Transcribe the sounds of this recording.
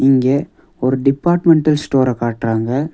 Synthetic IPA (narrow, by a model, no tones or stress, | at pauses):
ɪŋɡe | ɔɾɯɖɪpːaːɾʈmɛɳʈɐlsʈoːɾɐkaːʈɾaːŋɡɐ